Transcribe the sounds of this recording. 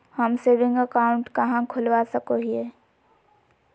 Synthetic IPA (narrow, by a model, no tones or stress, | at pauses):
həmseːʋɪ̃ŋɡəkaːʊ̃ɳʈkɐɦãkʰʊlʋasəkoɦieː